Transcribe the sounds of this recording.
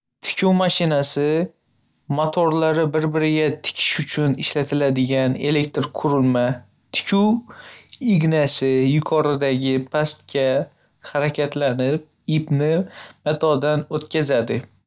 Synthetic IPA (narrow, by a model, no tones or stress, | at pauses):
t̪ʰɪ̥kʲʰuwmaʃɪnasɪ | mot̪ʰoɾlaɾɪbɪɾbɪɾɪɡʲat̪ʰɪ̥kʲʰɪ̥ʃʊt͡ʃʰʊnɪʃlat̪ʰɪlad̪ɪɡʲane̞̰le̞k̚ʲt̪ɾkʰʊɾɪlma | t̪ʰɪ̥kʰʲuw | iɡnasɪjʊkʰɒɾɪd̪aɡʲɪpʰast̪kʲa | haɾakʲʰat̪ʰlanɪp̚ | ipnɪmat̪ʰɒd̪anot̪kʲazad̪ɪ